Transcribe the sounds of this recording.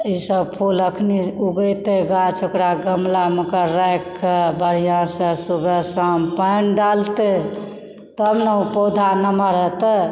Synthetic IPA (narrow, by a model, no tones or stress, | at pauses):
isəbpʰuləkʰniuɡət̪eɡat͡ʃʰokɾaɡəmlaməkəɾːəjkːebəɽ̤ijãsə̃subʱesəmpənɖalt̪e | t̪əbneupod̪ʱanəməɾɦət̪ə